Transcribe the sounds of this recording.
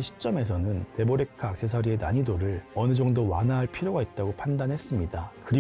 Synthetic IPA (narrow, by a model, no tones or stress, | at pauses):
ɕʰi̥t͡ɕ͈ʌme̞s̬ʰʌnɯnte̞boɾe̞kʰaːk̚s͈e̞sʰʌɾie̞naɲidoɾɯɭʌnɯd͡ʑʌŋdowanaɦaɭpʰiɾjoɡait̚t͈aɡopʰandanɦe̞s͈ɯmɲidakɯɾi